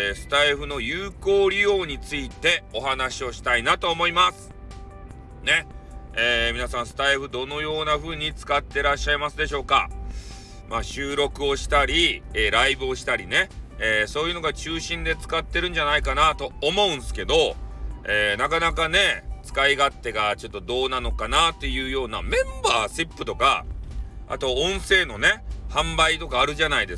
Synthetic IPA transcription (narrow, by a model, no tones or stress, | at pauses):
sɨ̥t̪aiɸɯ̟no̞jɯːko̞ːɾʲijo̞ːɲ̟it͡sɨit̪e̞o̞ɦanaɕio̞ɕi̥t̪ainat̪o̞ːmo̞imasɨ̥ | ne̞eːmʲinasãɰ̃sɨ̥t̪aiɸɯ̟d̪o̞no̞jo̞ːnaɸɯ̟ːɲ̟it͡sɨ̥kat̪ːe̞ɾaɕːaimasɨd̪e̞ɕ̬o̞ːka̰ | maɕɨːɾo̞kɯ̟o̞ɕi̥t̪aɾʲieɾaibɯ̟o̞ɕi̥t̪aɾʲine̞eːso̞ːjɯ̟no̞ɡat͡ɕɨːɕĩnd̪e̞t͡sɨ̥kat̪ːe̞ɾɯ̟̃ɲ̟d͡ʑanaikanat̪o̞ːmo̞ɯ̟̃ɴ̃sɨ̥ke̞d̪o̞eːnakanakane̞t͡sɨ̥kaiɡat̪ːe̞ɡat͡ɕo̞t̪ːo̞d̪o̞ːnano̞kanat̪ːe̞jɯ̟ːjo̞ːna̰mẽ̞mbaːsɨpːɯ̟t̪o̞ka̰ | a̰t̪o̞õ̞ɰ̃se̞ːno̞ne̞hãmbait̪o̞kaːɾɯ̟ʑanaid̪e̞s